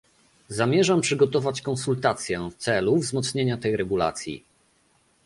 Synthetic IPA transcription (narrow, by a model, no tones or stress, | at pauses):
zamʲjɛʐampʂɘɡɔt̪ɔvat͡ɕkɔnsult̪at̪sʲjɛft̪sɛluvzmɔt̪sɲeɲat̪ɛjɾɛɡula̰t̪sʲjḭ